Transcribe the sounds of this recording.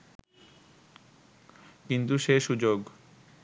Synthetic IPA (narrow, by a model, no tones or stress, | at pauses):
kint̪uʃeʃud͡ʑoɡ